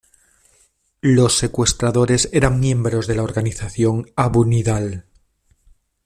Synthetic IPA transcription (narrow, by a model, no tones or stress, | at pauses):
lo̞sːe̞kwe̞st̪ɾaðo̞ɾe̞se̞ɾaŋmjẽ̞mbɾo̞zðe̞laoɾɣaniθaθjo̞ŋaβuniðal